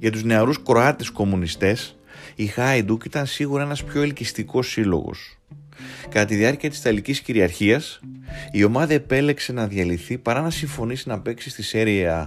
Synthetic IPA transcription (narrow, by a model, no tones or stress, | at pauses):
ʝɐt̪uzne̞ɐɾuskɾo̞ɐt̪e̞sko̞munist̪e̞s | ixɐjd̪ukit̪ɐnsiɣuɾɐe̞nɐspço̞elcist̪iko̞silo̞̰ɣo̞̰s | kɐt̪ɐt̪iðiɐɾciɐt̪i̥st̪ɐlicisciɾiɐɾçiɐsio̞mɐðɐe̞pe̞le̞kse̞nɐðʝɐliθipɐɾɐnɐsiɱfo̞nisinɐpe̞ksist̪iseɾieɐ